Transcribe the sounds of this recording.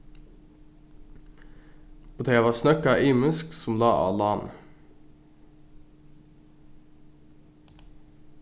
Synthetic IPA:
poːt̪ʰeːʋɑːsnœkɑʔiːmʉsksʊmlɑːʔɑ̰ːlɑːn

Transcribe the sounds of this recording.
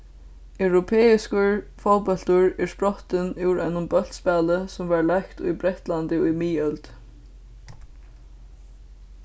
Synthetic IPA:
œwɾɔpʰɛːɪskʊɹfɔwpɔlt̪ʊɹɛɹspɹɔht̪ɪnɪwɾʔaɪnʊmbœl̥t̪spæːləsʊmvaɹlajkt̪ʊ̰jbɾɛht̪lant̪ɪʊjmiːœlt̪

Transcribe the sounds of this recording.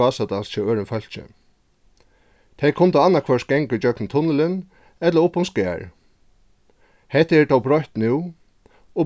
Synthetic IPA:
aːsat̪alst͡ʃʰɛwøːɾɪnfœl̥t͡ɕɪ̰ | t̪ʰejkʰʊnt̪əanːakʰvœsɡ̥ɛŋkʏt͡ɕœknnt̪ʰʊnːɪlɪn | ɛt̪laʊpːʊmskæːɹ | hɛt̪ɛɹt̪ʰɔwbɾɔht̪nuw | ɔ

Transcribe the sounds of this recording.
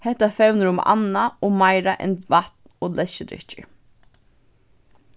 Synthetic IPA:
hɛht̪afɛwnəɾʊma̰nːaɔmajɾaʔɛ̰nvat̪nɔlɛʃːəd̪ɾɪ̰ht͡ʃə̰ɹ

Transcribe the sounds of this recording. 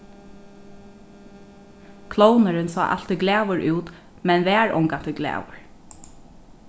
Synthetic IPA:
kʰloːwnəɾɪnsɔ̰ːʔa̰l̥t̪ɪɡlæːwəɹʔʉːt̪ | mɛnʋæːɹɔ̰ŋkant̪ʰɪɡlæ̰ːwə̰ɹ

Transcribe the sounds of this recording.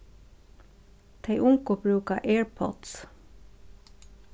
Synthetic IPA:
t̪ʰeɪʔʊŋkʊbɾʉːkaʔeːɹpʰɔ̰t̪s

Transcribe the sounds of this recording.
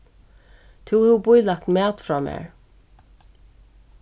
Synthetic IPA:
t̪ʰuwhɛbʊjlak̚t̪mɛːt̪fɹɔːmɛ̰ːɹ

